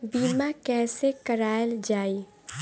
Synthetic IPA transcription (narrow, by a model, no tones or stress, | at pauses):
biːmakɛːsekəɾaːjld͡ʒaːi